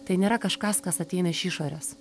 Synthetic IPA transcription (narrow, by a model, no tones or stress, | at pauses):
t̪ɐɪnʲeːɾɐkɐʃkɐskɐsɐt̪ʲɛɪnɐɪʃiːʃoːɾʲɛs